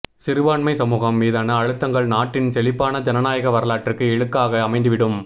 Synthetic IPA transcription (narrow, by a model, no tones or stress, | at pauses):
sɪɾɯʋaːɳmɐɪsɐmuːɣɐmːiːðaːnɐːɻɯt̪ːɐŋɡɐɭnaːʈːɪnsɛlɪpːaːnɐd͡ʒɐnɐnaːjɐɣɐʋɐɾɐlaːʈrɯkːɯɛɻɯkːaːɣɐːmɐɪnd̪ɯʋɪɽɯm